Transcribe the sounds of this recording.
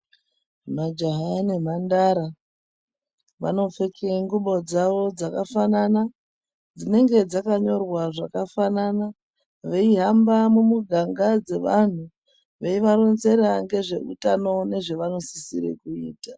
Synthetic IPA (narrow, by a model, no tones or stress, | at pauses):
mad͡ʒaɦanem̤andaɾa | ʋa̰no̞fekeŋɡuɓo̞d͡zaʋo̞d͡zakafanana | d͡zine̞ŋɡe̞d͡zakaɲo̞rwaʐakafanana | ʋe̞iɦambamumuɡʱaŋɡad͡ze̞ʋan̤u | ʋeiʋaɾo̞nze̞ɾaŋɡe̞ʐe̞̰ṵtano̞ne̞ʐe̞ʋano̞si̥siɾḛkuḭːta